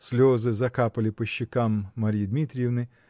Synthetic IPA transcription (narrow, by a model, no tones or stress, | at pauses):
sʲlʲɔzɪzɐkɑpɐlʲipeʃt͡ʃːɪkamːɐɾʲijd̪mʲit̪ʲɾʲiwnɪ